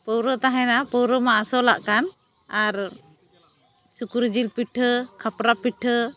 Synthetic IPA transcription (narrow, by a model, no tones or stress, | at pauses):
pəwɾət̪aɦɛnapɔwɾɔmaasɔla̰ʔkan | aɾ | sukuɾd͡ʒilpiʈʰəkʰapɾapiʈʰə